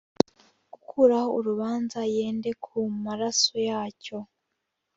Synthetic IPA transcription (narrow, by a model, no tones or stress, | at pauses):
ɡ̥ukʰuɾaho̞uɾuβaːnzaje̞ːnde̞kʰumaɾasojaːco̞